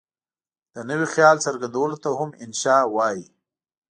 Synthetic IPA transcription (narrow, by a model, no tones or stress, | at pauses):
d̪̥ənəwixjɑlsəɾɡand̪awəlot̪ahʊmɪnʃɑwɑji